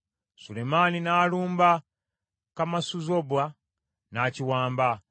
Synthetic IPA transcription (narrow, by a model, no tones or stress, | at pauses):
sulemaninaːluːmba | kamasuzobwa | naːciwaːmba